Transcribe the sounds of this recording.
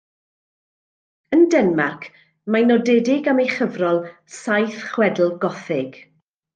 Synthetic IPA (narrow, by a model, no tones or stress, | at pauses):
əndɛnmakʰ | manɔdɛdɪɡamejχəvrɔlˠ | sajθχwɛdl̩ˠɡɔθɪɡ̥